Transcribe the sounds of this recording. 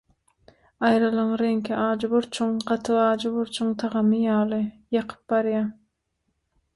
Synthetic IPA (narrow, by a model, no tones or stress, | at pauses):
ɑjɾɑlˠɯɴɾeŋkʰiʔɑːd͡ʒbʊɾt͡ʃʰʊŋɢɑt̪ʰɨɑːd͡ʒuβʊɾt͡ʃʰʊŋt̪ʰɑʁɑmɨjɑːlˠɨ | jɑqʰɯ̥p̚bɑɾjɑ